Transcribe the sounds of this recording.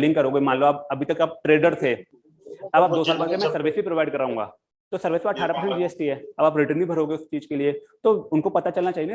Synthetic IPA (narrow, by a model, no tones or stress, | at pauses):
lɪ̃ŋɡkɐɾoːɡemãːnləbaːp̚ɐbʱit̪ɐkaːp̚ʈɾeːɖəɾt̪ʰe | ɐbaːp̚d̪oːsaːlpɐlkemɛ̃sɐɾʋeːsbʱipɾoːʋaːɪɖkɐɾːaːɦũŋɡa̰ː | t̪osɐɾʋeːsʋaːɐʈʰːaːɾapɐɾsə̃ɳʈd͡ʒiesʈiɦɛːɐbaːpɾɪʈənbʱibʱɐɾoːɡeʊst͡ʃiːd͡ʒkeliet̪oʊnkopɐt̪at͡ʃɐlnat͡ʃaːi